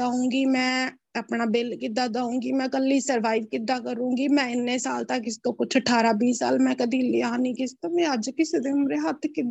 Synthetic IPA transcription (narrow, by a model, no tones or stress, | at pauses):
aːũːɡiːmɛ̃ː | aːpnaːbɪlkɪd̪aːd̪aːũːŋɡiːmɛ̃ːkəlːiːsəɾʋaːiʋkɪd̪aːkəɾũːŋɡiːmɛ̃ːɪnːeːsaːlt̪akɪst̪õːkʊt͡ʃʰəʈʰaːɾaːbiːsa̰ːlmɛ̃ːkəd̪iːliaːnĩːkɪst̪aːmẽəd͡ʒkɪseːd̪eːʊmɾeːɦət̪ʰkɪd̪